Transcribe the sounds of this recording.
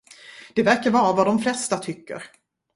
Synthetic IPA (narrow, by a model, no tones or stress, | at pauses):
d̪̥ɛvæɾkaɾvɑːɾavad̪ɔmflɛst̪at̪ʰʏkːə̰ɾ